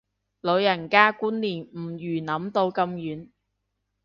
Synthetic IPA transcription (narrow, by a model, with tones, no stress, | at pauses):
lɵ˨˧wjɐ˨˩nkaː˥kuː˥nliː˨˩nm̩˨˩jyː˨˩nɐ˨˥mt̪o˧wkɐ˧mjyː˨˥n